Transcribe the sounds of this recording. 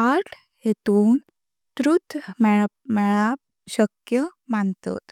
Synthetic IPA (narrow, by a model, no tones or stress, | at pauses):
aʈʰ | jet̪uːn | t̪ɾut̪mɛɭmɛɭap | ɕəkjə | mant̪ɔ̰t̪